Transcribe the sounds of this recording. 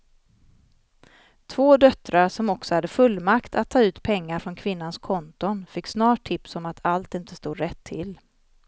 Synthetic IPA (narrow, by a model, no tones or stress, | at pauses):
t̪ʰvoːd̪œt̪ɾaɾʂɔmɔksɔhad̪ːəfɵlːmakt̪ʰat̪ʰːɑːʉ̟ːt̪pʰɛŋːaɾfɾɔnkʰvɪnːanskʰɔnt̪ʊnfɪkːsnɑːʈʰːɪpsɔmat̪ʰalt̪ɪnt̪əst̪uːd̪ɾɛt̪ʰːɪl